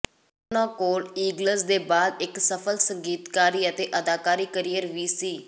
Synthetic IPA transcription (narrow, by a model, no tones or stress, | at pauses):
ʊnãːkoːliːɡləsd̪eːbaːd̪ɪksəpʰəlsəŋɡiːt̪kaːɾiːət̪eːʔəd̪aːkaːɾiːkəɾijəɾʋiːsiː